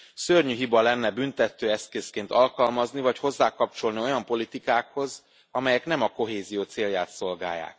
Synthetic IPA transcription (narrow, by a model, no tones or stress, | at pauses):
sørɲyɦibɒlɛnːɛbynt̪ɛt̪øːɛskeːskeːnt̪ɒlkɒlmɒznivɒcho̞zːaːkɒp̚t͡ʃo̞lnio̞jɒmpo̞lit̪ikaːkho̞z | ɒmɛjɛkn̪ɛmɒko̞ɦeːzijoːt̪seːljaːt̪so̞lɡa̰ːjːa̰ːk̚